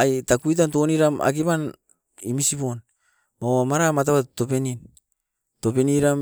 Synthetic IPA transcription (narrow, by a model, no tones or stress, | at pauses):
ajtakuit̬ant̬o̞niɾama̰kipan | imisipo̞n | mawamaɾamat̬awato̞pe̞nin | to̞peniɾam